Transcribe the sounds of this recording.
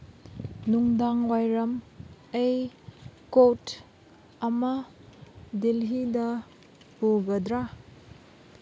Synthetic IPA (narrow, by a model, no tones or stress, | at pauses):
nuŋdaŋwajɾɐmej | kot | ɐmɐ | dilɦidɐ | puɡɐdɾa